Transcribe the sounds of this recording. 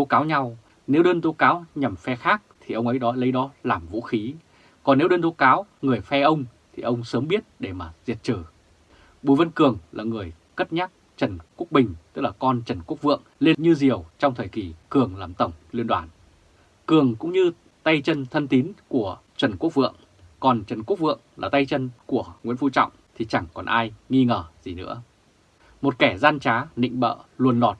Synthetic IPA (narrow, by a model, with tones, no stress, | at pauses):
t̪o˨˦kaː˨˦wɲa˧w | ne˨˦wɗəː˧nt̪o˨˦kaː˨˦wɲa˨˩mfɛ˧xaː˦˥k̚t̪ʰi˨˩ʔə˧wŋ͡mə˨˦jɗɔ˨˦lə˨˦jɗɔ˨˦laː˨˩mvṵ˧˥xi˨˦ | kɔ˨˩nːe˨˦wɗəː˧nt̪o˨˦kaː˨˦wŋɨ˨˩əjfɛ˧ʔə˧wŋ͡mt̪ʰi˨˩ʔə˧wŋ͡msəː˨˦mɓi˦˥ət̚ɗe˧˩maː˨˩zi˨˩t̚t͡ɕɨː˨˩ | ɓu˨˩jvə˧nkɨ˨˩əŋlaː˨˩ŋɨ˨˩əj | kə˦˥t̚ɲaː˦˥t̚ | t͡ɕə˨˩nku˦˥ək̚ɓï˨˩ŋ̟t̪ɨ˦˥k̚laː˨˩kɔ˧nt͡ɕə˨˩nku˦˥ək̚vɨ̰˧˨əŋle˧nɲɨ˧zi˨˩əwt͡ɕɔ˧wŋ͡mt̪ʰəː˨˩jki˨˩kɨ˨˩əŋlaː˨˩mt̪ə˧˩wŋ͡mli˧nɗwaː˨˩n | kɨ˨˩əŋkʊ̰˧˥ŋ͡mɲɨ˧ | t̪a˧jt͡ɕə˧nt̪ʰə˧nt̪i˨˦nku˧˩ə | t͡ɕwə˨˩nku˦˥ək̚vɨ̰˧˨əŋ | kɔ˨˩nt͡ɕə˨˩nku˦˥k̚vɨ̰˧˨əŋlaː˨˩t̪a˧jt͡ɕə˧nku˧˩əŋwḭ˧˥ənfu˧t͡ɕɔ̰˧˨wŋ͡mt̪ʰi˨˩t͡ɕa˧˩ŋkɔ˨˩nʔaː˧jŋi˧ŋəː˨˩zi˨˩nɨ̰˧˥ə | mo˨˩t̚kɛ˧˩zaː˧nt͡ɕaː˨˦nḭ̈˧˨ŋ̟ɓə̰ː˧˨lu˨˩ənlɔ˨˩t̚